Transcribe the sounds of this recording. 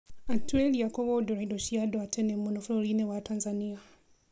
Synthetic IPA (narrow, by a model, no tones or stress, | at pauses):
atuelijakoβodoɾaidoʃijadoatʰenemonofulolinewataːnzania